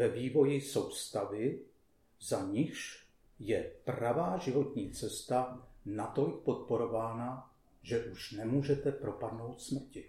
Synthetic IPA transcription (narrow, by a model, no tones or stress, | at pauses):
vɛviːvo̞jɪso̞wst̪avɪ | zaɲɪxʃ | jɛprɾavaːʒɪvo̞t̪ɲiːt͡sɛst̪anat̪o̞lɪk̚po̞t̪̚po̞ɾo̞vaːna | ʒɛʔuʃnɛmuːʒɛt̪ɛpɾo̞padno̞wt̪smr̩cɪ